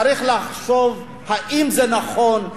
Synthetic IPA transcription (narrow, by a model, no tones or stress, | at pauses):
ɾiχlaχʃov | haʔimzenaχon